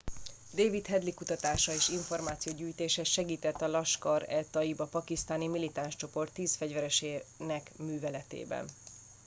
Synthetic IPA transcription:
d̪eːvit̪hɛd̪likut̪ɒt̪aːʃɒeːʃiɱfo̞rmaːt̪sijoːɟyːjt̪eːʃɛʃɛɡiːt̪ɛt̪ːɒlɒʃkɒɾɛ̰t̪ɒibɒpɒkist̪aːnimilit̪aːnʃt͡ʃo̞po̞rt̪ːiːsfɛɟvɛɾɛʃeːnɛkmyːvɛlɛt̪ḛːbɛ̰n

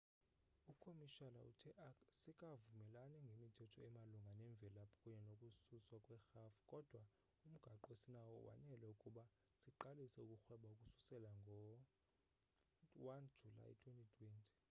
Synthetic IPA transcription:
ukʰomiʃalaṵtʰisikʼavumɛlanɛŋɡʱemitʰɛtʰɔɛmaluŋɡʱanɛɱbvʱɛlapʰɔ̥kʼuɲɛnokʼususwakʼwɛxafu̥kʼɔd̥ʱwa | um̩ɡ̥ʱaǃɔesinawɔ̰wa̰nɛlɛukʼuɓa | siǃalisɛukʼuxwɛɓaukʼusu̥sɛlaŋɡʱɔ | wand͡ʒʱula̰jtʰwentʼitʰwɛntʰʼi̥

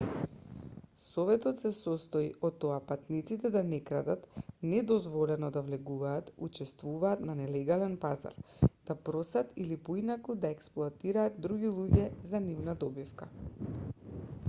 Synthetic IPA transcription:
sɔvɛt̪ɔt̪sɛsɔst̪ɔḭʔɔt̪ːɔapat̪nit̪sit̪ɛd̪anɛkɾad̪at̪nɛd̪ɔzvɔlɛnɔd̪avlɛɡuvaːt̪ut͡ʃɛst̪vuvaːt̪nanɛlɛɡalɛnpaza̰ɾd̪̥apɾɔsat̪ilipɔinakud̪aɛksplˠuat̪iɾaːd̪̚d̪ɾuɡʲilˠuɟɛzanivnad̪ɔbifka

